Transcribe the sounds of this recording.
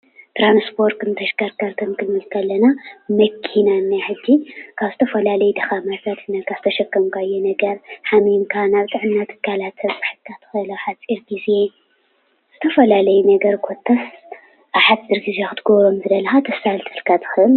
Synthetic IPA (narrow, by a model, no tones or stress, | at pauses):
t̪ʰɾanspʰo̞ɾt̪ɨnt̪ʰɐʃkaɾkʰaɾkʰɐmkʰɨlmɨlkʰɐlːɐnamɐkʰinanːaħɨd͡ʒːikʰaβzɨt̪ʰɐfɐlalɐjd̪ɐxamat̪ʰat̪nɐkʰazɨt̪ʰɐʃɐkːɐmkʰajːonɐɡɐɾħaminkʰanaβt̪ʼɨʕɨnːat̪ʰɨ̥kʰːalat̪ʰɐbɨħɨlkʰːat̪ʰɨ̥xɨɨlɐħat͡sʼiɾɡizje | z̥ɨt̪ʰɐfɐlalɐjunɐɡɐɾkʰo̞t̪ʰːɐs | ʔaβħatiɾɡizexɨt̪ɨɡoβɾo̞mzɨd̪ɐlɐxat̪ʰɐsalt̪ʰɨɨlkʰat̪ʰɨ̥xɨɨl